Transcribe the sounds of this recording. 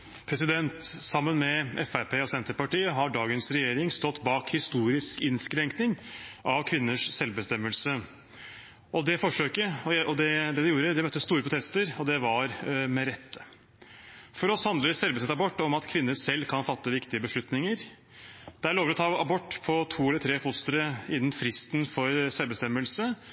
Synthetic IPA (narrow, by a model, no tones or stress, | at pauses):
pʰɾɛsɪd̪ɛnt̪sɑmːənmɛɛfæɾpʰeːɔsɛnt̪əɾpɑʈiːəɦɑɖɑːɡənsɾɛjeːɾɪŋst̪ɔt̪ːbɑːkhɪst̪uːɾɪskɪnskɾɛŋknɪŋʔɑʋkʰʋɪnːəʂsɛlbəst̪ɛmːəlsə | ɔd̪ɛfɔʂøːkəɔɔd̪ɛd̪ɛd̪ɛjuːɾəd̪ɛmœt̪ːəst̪uːɾəpʰɾʊt̪ʰɛst̪əɾɔd̪ɛʋɑɾmɛɾɛt̪ʰːə | fɔɾɔshɑnd̪əəsɛlbəsɛt̪ːɑbɔʈːɔmɑt̪kʰʋɪnːəsɛlːkʰɑnfɑt̪ːəʋɪkt̪ɪəbəʂɭʉt̪nɪŋəɾ | d̪̥ɛæɭoːʋəɾɔt̪ʰɑːɑbɔʈːpʰɔt̪ʰuːɛləɾt̪ʰɾeːfʊst̪əɾəɪnːnfɾɪst̪n̩fɔɾsɛlbəst̪ɛmːəlsə